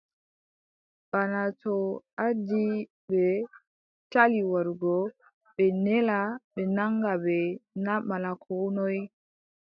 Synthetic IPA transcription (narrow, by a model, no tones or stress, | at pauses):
ɓanatɔʔadi | bɛ | taliwaɾɡɔ | ɓɛnɛlaɓɛnaŋɡabɛnamalakʰɔnɔj